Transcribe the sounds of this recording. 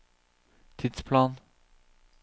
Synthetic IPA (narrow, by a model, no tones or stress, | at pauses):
t̪ʰɪd̪spʰlɑːn